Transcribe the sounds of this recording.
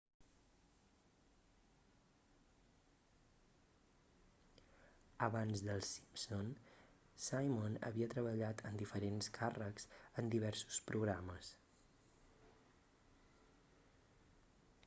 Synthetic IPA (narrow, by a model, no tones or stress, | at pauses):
əβanzðəlˠsi̥pson | sajmonə̰βiət̪ɾəβəʎat̪ʰənd̪ifəɾenskʰarəkz̥ənd̪iβ̞ɛɾsu̥spɾuɣɾaməs